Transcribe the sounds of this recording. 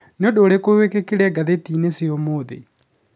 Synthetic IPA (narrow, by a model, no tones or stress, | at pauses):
neodoːɾekowekekeɾɛɡaðetineseomoːðḛ